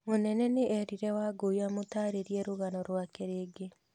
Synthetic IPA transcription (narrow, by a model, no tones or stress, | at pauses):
monɛnɛneʔɛɾiɾɛwaːɡoiamotaːɾeɾiɛɾoɣanɔɾwakeɾeːɡe